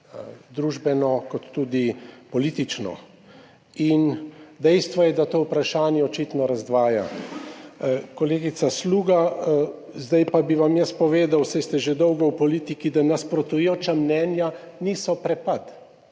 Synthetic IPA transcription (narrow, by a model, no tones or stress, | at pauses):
d̪ɾuʒbɛnɔkɔt̪ːud̪ipɔliːt̪it͡ʃnɔ̰ | ind̪ɛjst̪ʋɔjɛd̪at̪oːwpɾaʃaːnjɛɔt͡ʃit̪nɔɾazd̪ʋaːja̰ | kɔleːɡit̪sasluːɡa | zd̪ajpabiʋamjəst̪̚pɔʋeːd̪awsajst̪ɛʒed̪ɔwɡɔwpɔliːt̪ikid̪anaspɾɔt̪ujoːt͡ʃamnɛːnja | niːsɔpɾɛpat̪